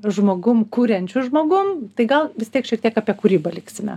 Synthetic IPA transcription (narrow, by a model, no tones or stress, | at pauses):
ʒmoːɡʊmkuːɾʲɛnʲt͡ʃʲʊʒmoːɡʊmt̪ɐɪɡɐlˠʋʲɪst̪ʲiɛkʃʲiɛk̚t̪iɛkɑːpʲiɛkuːɾʲiːbɐlʲɪksʲɪmʲɛ̰